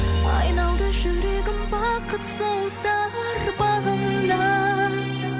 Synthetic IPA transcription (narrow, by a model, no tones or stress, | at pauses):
ɑ̰jnɑwˠd̪əʒɵɾeɡʲɪmwɑqət̪sowzd̪ɑɾbɑʁəmd̪ɑ